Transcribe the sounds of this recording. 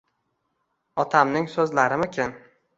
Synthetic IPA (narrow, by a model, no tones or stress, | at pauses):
ɒt̪ʰamnɪŋsɵzlaɾɪmɪkʲʰɪn